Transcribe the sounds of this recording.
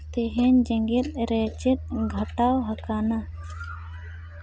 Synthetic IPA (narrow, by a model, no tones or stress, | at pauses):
t̪ɛɦɛɲd͡ʒɛ̃ŋɡɛt̪̚ɾɛt͡ʃɛt̪̚ɡʱəʈawɦakana